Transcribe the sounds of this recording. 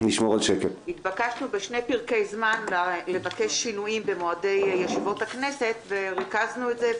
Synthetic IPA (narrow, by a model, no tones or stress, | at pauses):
niʃmoʁalʃekelhit̪bakaʃnubeʃne̞jpiʁkejzmanlale̞vake̞ʃːinuimbe̞moade̞jːeʃivo̞takne̞se̞t̪ve̞ʁikaznuetze